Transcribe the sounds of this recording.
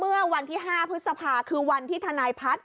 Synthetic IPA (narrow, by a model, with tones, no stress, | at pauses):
mɯ˥˩ɐwa˧nt̪ʰiː˥˩ɦaː˥˩pʰɾɯ˦˥t̪̚sa˧pʰaː˧kʰɯː˧wa˧nt̪ʰiː˥˩t̪ʰa˧naː˧jpʰa˦˥t̪̚